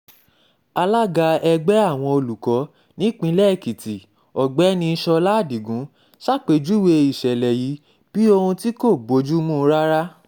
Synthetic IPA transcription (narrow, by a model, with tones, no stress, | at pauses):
a˧la˦ɡa˧ɛ˧ɡ͡bɛ˦a˦˨w̃ɔ̃˧o˧lu˨kɔ˨˦ | nĩ˦k͡pĩ˧lɛ˦˨ki˨ti˨ | ɔ˨ɡ͡bɛ˨˦nĩ˧ʃɔ˧la˦˨di˨ɡũ˨˦ | ʃa˦˨k͡pe˨˧d͡ʒu˦we˧i˨ʃɛ˨lɛ˨ji˨˦ | b̥i˦o˧hũ˧ti˦ko˦˨bo˨˦d͡ʒu˦mũ˦˧˦ɾa˦ɾa˦